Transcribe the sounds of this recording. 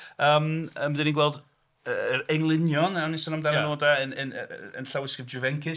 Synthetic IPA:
əːməməðɪninɡwɛlˠd | əəɾɛŋlˠɪnjɔnawnisɔnamdanənoːdaənən̰ə̰nɬawɪskəd͡ʒuvɛŋkʰɪ

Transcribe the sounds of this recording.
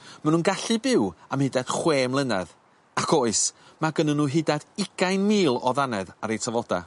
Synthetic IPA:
manũːnɡaɬɨbɪwamhɪdad̥χweːmlˠənɛ̰ð | akʰoːɨs | maɡənənuːɦɪdadɪɡ̥ajnmiːlˠɔðanɛðaɾejtʰavɔda̰

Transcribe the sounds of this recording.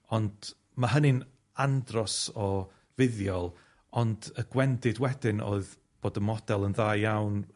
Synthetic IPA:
ɔnd | maɦənɨn | andrɔsɔ | vɪðjɔlˠ | ɔndəɡ̥wɛndɪdwɛdɪno̰ɨð | b̥oːdəmɔd̥ɛlˠənðaːjjawn

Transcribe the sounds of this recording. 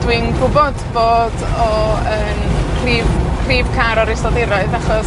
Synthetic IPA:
d̥wɪnɡʊbɔdb̥oːdɔəːnkʰriːvkʰriːv̥kʰaɾɔɾɪsɔðɪɾɔɨðaχɔs

